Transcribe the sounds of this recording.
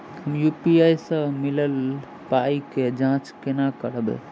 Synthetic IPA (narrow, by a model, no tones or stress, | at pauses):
ɦəmjupiajsə̃miləl | paiked͡ʒãt͡ʃkenakəɽbɛ̰